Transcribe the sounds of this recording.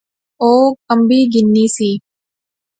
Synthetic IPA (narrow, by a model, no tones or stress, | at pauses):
oːkɐmbiːɡɪnːiːsiː